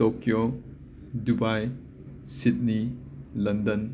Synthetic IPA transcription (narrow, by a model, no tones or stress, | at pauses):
okjo | dubaj | sit̚ni | lɐndən